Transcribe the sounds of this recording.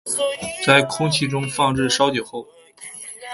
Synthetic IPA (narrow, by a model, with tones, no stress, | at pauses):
t͡sa˥˧ɪkʰʊ˥ŋt͡ɕʰi˥˧ʈ͡ʂʊ˥ŋfɑ˥˧ŋɻɻ̩˥˩ʂɑ˥ʊt͡ɕjo˨˩ʊxo˥˩ʊ